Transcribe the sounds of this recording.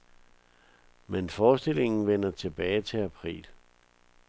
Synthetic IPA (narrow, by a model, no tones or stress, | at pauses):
menfɒːsd̥e̝le̝ŋn̩ʋen̰ɐt͡sʰe̝b̥ɛːɪt͡sʰe̝æpʰʁḭːl